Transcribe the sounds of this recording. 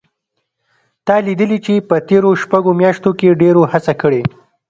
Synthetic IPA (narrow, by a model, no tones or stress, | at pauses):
t̪ɑlid̪əlit͡ʃepət̪eɾoʃpaɡomjɑʃt̪okeɖeɾohasakəɽe